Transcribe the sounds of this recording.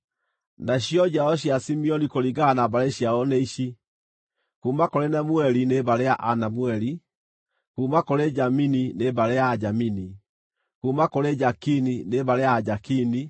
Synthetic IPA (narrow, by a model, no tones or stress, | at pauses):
naɕjɔd͡ʒaɔɕ̬jasimiɔnikoɾiɡanabaɾeɕjaɔnɛiʃi | kuːmakoɾenamwɛɾineβaɾeaʔanamwɛɾi | kuːmakoɾed͡ʒamininebaɾejaːd͡ʒamini | kumakoɾed͡ʒakinineβaɾeaːd͡ʒakini